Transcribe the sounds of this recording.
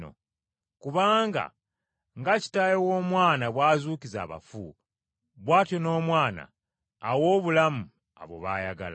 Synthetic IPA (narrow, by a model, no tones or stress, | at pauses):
o̰ | kuβaːŋɡa̰ | ŋɡaci̥tajowo̞ːmwaːnaβwaːzuːkiza̰ːβa̰fṵ | βwaːtjo̞no̞ːmwaːna̰ː | wo̞ːβulamu | a̰βo̞̰βa̰ːjaɡa̰l